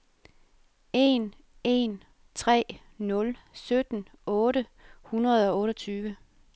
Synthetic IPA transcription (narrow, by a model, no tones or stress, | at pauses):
e̝n | e̝n | t͡sʰʁɛ̰ː | nɔ̽lsød̥n̩ | ɔ̽ːɾəhunʁɐð̞̩ˠɒ̽ɔ̽ːɾɒt͡sʰyːʋə